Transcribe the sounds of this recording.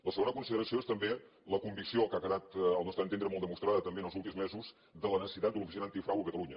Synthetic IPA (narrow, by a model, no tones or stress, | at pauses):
ləsəɣonəkunsiðəɾəsioest̪əmbe | ləkumbiksiolˠkakəðat̪əlˠnɔst̪aənt̪end̪ɾəmɔlˠd̪əmust̪ɾaðət̪əmbeənəlˠzulˠt̪imzmezuz | d̪ələnəsə̥sit̪at̪̚əlufisinənt̪ikfɾawəkət̪əluɲə